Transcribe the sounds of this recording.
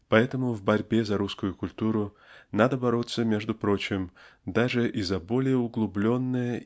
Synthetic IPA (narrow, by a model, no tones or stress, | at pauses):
pɐɛt̪əmʊvbɐɾʲbʲezɐɾuskʊjʊkʊlʲt̪uɾʊ | nad̪əbɐɾot̪sːəmʲeʐd̪ʊpɾo̞t͡ɕɪmd̪aʐɨʔizɐbolʲɪjəʊɡlˠʊblʲonːɨjə